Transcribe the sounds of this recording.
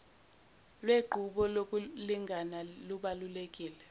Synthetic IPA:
lweɡ͡ǃʱuɓɔlok̬ʼuliŋɡʱanaluɓalulek̬ʼiːlɛ

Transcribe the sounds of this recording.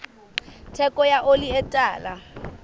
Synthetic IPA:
tʰɛkʼɔjaʔoliɛtʼaːla

